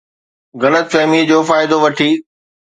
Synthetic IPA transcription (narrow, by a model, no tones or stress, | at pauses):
ɣɐlət̪fɛːmid͡ʑoːfaːɪd̪oʋɐʈʰiː